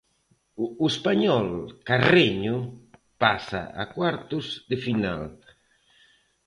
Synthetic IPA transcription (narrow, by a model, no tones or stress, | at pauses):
uespaɲɔlkareɲʊ | pasa̰a̰kwaɾt̪ʊzd̪efina̰l